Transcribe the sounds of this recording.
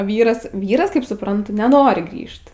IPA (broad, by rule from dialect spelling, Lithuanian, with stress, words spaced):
ˈʋʲiːrɐs ˈʋʲiːrɐs kɐɪp sʊprɐnˈtʊ nʲɛˈnoːrʲɪ ˈɡrʲiːʃt